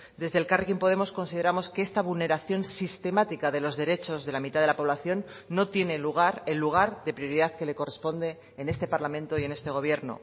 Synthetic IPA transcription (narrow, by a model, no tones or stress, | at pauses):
d̪e̞zðelkarekimpo̞ðe̞mo̞sko̞nsið̞e̞ɾamo̞skeest̪aβulne̞ɾaθjo̞nsist̪e̞mat̪ikaðe̞lo̞zðe̞ɾe̞t͡ʃo̞zðe̞lamit̪aðelapo̞β̞laθjo̞nː | o̞t̪je̞ne̞luɣ̞aɾe̞lːuɣ̞aɾðe̞pɾjo̞ɾiðaðke̞le̞ko̞re̞spo̞nd̪e̞ːne̞st̪e̞paɾlamẽ̞nt̪o̞ie̞ne̞st̪e̞ɣ̞o̞β̞je̞ɾno̞̰